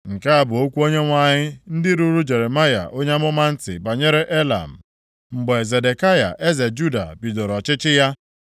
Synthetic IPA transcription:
ŋ̩˨ka˦a˦bʊ˨o˦kʷu˦o˦ɲe˦ŋʷa˦˨ɲɪ˦n̩˦dɪ˦ɾu˦ɾu˦d͡ʒe˨ɾe˨ma˦ja̰˨ʔo˦ɲe˦mʊ˦ma˦n̩˦tɪ̰˨ba˨ɲe˦ɾe˦ʔe˦la̰˨m̩˨ | ŋ͡m̩˨ɡ͡be˨ze˨de˨ka˦ja̰˨ʔe˦ze˨d͡ʒu˦da̰˨bi˨do˨ɾɔ˨t͡ʃɪ˦t͡ʃɪ˦ja˦

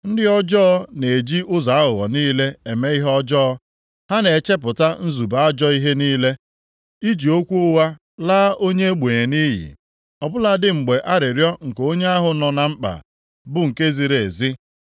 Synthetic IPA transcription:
n̩˦dɪ˦ɔ˦d͡ʒɔː˦ne˨d͡ʒi˦ʔʊ˦za˨a˦ɦʊ˨ɣɔ̰˨niː˦le˦e˨me˦i˦ɦɔ˦d͡ʒɔ˦ | ha˦ne˨e˨t͡ʃe˦p̬ʊ˨ta˦n̩˦zu˨ba˨˦d͡ʒɔ˦i˦ɦe˦niː˦le˦ | i˦d͡ʒi˨o˦kʷu˦ʊ˦wa˦ | laː˦ʔo˦ɲe˦e˦ɡ͡be˨ɲe˨ni˦ɦḭ˨ | ɔ˨bʊ˦la˨dɪ˦ŋ͡m̩˨ɡ͡be˨ʔa˦ɾɪ˨ɾjɔ˦ŋ̩˨ko˦ɲe˦a˦ɦʊ˨nɔ˨na˨ŋ͡m̩˦k͡pa̰˨ | bʊ˨ŋ̩˨ke˦zi˨ɾe˨zɪ˦

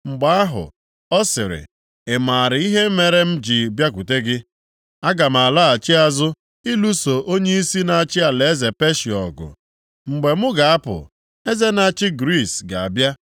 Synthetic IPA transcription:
ŋ͡m̩˨ɡ͡ba˦a˦ɦʊ̰˨ | ɔ˦sɪ˨ɾɪ̰˨ | ɪ˨ma˨ɾɪ˨i˦ɦe˦me˨ɾe˦m̩˦d͡ʒi˨bja˦k̬ʷu˨te˦ɡɪ˦ | a˦ɡa˨m̩˨a˨la˦a˨t͡ʃɪ˦a˦zʊ˦ | i˦lu˦so˨ʔo˦ɲe˦i˦si˦na˨a˨t͡ʃɪ˦a˨le˨e˦ze˨pe˦ʃi˨ɔ̰˨ɡʊ̰˨ | ŋ͡m̩˨ɡ͡be˨mʊ˦ɡa˨a˦pʊ̰˨ | e˦ze˦na˨a˨t͡ʃɪ˦ɡɾi˦˨sɡa˨a˨bja˦

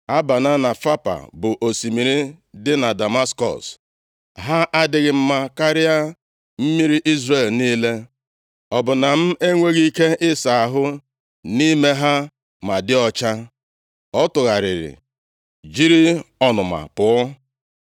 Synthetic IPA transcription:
a˦ba˨na˦na˨fa˦pa̰˨bʊ˨ʔo˨si˨mi˨ɾi˦dɪ˦na˨da˨ma˦skɔ̰˨s | ɦa˦ʔa˦dɪ˦ɣɪ˦m̩˦ma˦ka˦ɾɪ˦a˦ | m̩˦mi˦ɾi˦ʔi˦zɾe˦˨lniː˦le˦ | ɔ˨bʊ˨na˨m̩˦e˦ŋʷe˦ɣi˦ke˦ʔɪ˦sa˨a˨ɦʊ˦ | ni˦me˦ɦa˦ | ma˨dɪ˦ɔ˦t͡ʃa˦ | ɔ˦tʊ˨ɣa˨ɾɪ̰˨ɾɪ̰˨ | d͡ʒi˦ɾi˦ɔ˨nʊ˨ma̰˨pʊ˨˦

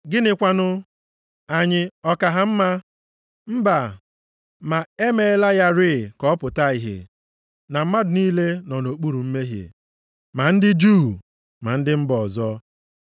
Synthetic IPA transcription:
ɡɪ˦nɪ˦kʷa˦nʊ˦ | a˨ɲɪ˦ɔ˦ka˨ɦa˦m̩˦ma˦ | m̩˦ba˨ | ma˨e˦me˦e˦la˦ja˦ɾɪ˦˨kɔ˦ɔ˦pʊ˨ta˦ɪ˨ɦḛ˨ | na˨m̩˦ma˦dʊ˨niː˦le˦nɔ˨no˨k͡pu˦ɾu˨m̩˦me˦ɦjḛ˨ | ma˨n̩˦dɪ˦d͡ʒuː˦˨ | ma˨n̩˦dɪ˦m̩˦bɔ˨zɔ˦

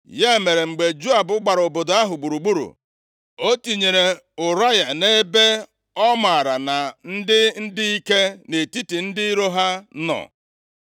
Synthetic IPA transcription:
ja˦e˨me˨ɾe˨ŋ͡m̩˨ɡ͡be˨d͡ʒu˦a˨bʊ˦ɡ͡ba˨ɾo˨bo˨da˦ɦʊ˨ɡ͡bu˨ɾu˨ɡ͡bu˦ɾṵ˨ | o˦ti˨ɲe˨ɾe˨ | ʊ˨ɾa˦ja˨ne˦be˦ | ɔ˦ma˨ɾa˨na˨n̩˦dɪ˦n̩˦dɪ˦i˦ke˦ne˨ti˦ti˨n̩˦dɪ˦i˦ɾo˦ɦa˦nɔ̰˨

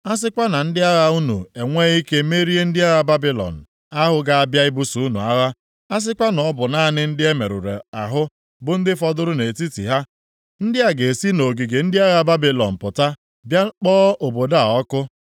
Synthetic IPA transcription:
a˦s̬ɪ˦kʷa˦na˨n̩˦dɪ˦a˦ɣa˦u˦nṵ˨e˨ŋʷe˦ɣi˦ke˦me˦ɾi˦e˦n̩˦dɪ˦a˦ɣa˨ba˦bi˨lɔ̰˨n̩˨ | a˦ɦʊ˦ɡa˦a˨bja˦ɪ˦bu˦su˨u˦nṵ˨a˦ɣa˦ | a˦s̬ɪ˦kʷa˦nɔ˨˦bʊ˨na˦nɪ˦n̩˦dɪ˦e˦me˨ɾʊ̰˨ɾḛ˨a˨ɦʊ˦ | bʊ˨n̩˦dɪ˦fɔ˦dʊ˦ɾʊ˦ne˨ti˦tḭ˨ɦa˦ | n̩˦dɪ˦a˨ɡe˨si˦no˨ɡi˨ɡe˨n̩˦dɪ˦a˦ɣa˦ba˦bi˨lɔ̰˨n̩˨pʊ˨ta˦ | bja˦k͡pɔː˦o˨bo˨da˦˨ɔ˦kʊ˦

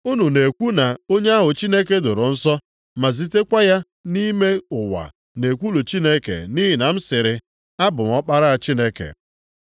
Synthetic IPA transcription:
ʊ˦nu˨ne˨kʷu˦na˨o˦ɲe˦a˦ɦʊ˨t͡ʃi˦ne˦ke˦dʊ˨ɾʊ˨n̩˦sɔ˦ | ma˨zi˦te˦kʷa˦ja˦ | ni˦me˦ʊ˨wa̰˨ | ne˨kʷu˦lu˨t͡ʃi˦ne˦kḛ˨ni˦ɦi˨na˨m̩˦sɪ˨ɾɪ˨ | a˦bʊ˨ŋ˦ɔ˦k͡pa˦ɾa˦a˦˨t͡ʃi˦ne˦kḛ˨

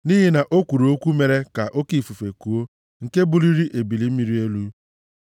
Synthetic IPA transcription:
niː˦ɦi˦na˨ʔo˦kʷu˨ɾu˨o˦kʷu˦me˨ɾe˦ka˨ʔo˦ki˦˨fu˨fe˨ku˨o˦ | ŋ̩˨ke˦bʊ˦li˦ɾi˦ʔe˨bi˨li˨m̩˦mi˦ɾi˦e˦lu˦

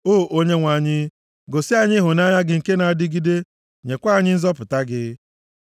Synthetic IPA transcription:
oː˦ʔo˦ɲe˦ŋʷa˨ɲɪ˦ | ɡʊ˨sɪ˦a˨ɲɪ˦ɦʊ˨na˦ɲa˦ɡɪ˨ŋ̩˨ke˦na˨a˨dɪ˦ɡi˦de˦ | ɲe˨kʷa˦a˨ɲɪ˦n̩˦zɔ˦pʊ˨ta˦ɡɪ˦

